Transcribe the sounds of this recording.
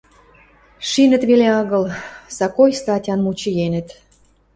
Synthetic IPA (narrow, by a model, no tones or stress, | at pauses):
ʃinə̆t̪βeleɑɣə̆lsɑkojst̪ɑtʲɑnmut͡ɕijenə̆t̪